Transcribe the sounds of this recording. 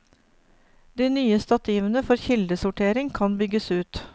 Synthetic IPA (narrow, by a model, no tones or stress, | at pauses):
d̪iːnyːəst̪ɑt̪iːʋənəfɔɾçɪld̪əsʊʈʰeːɾɪŋkʰɑnbʏɡəsʉːt̪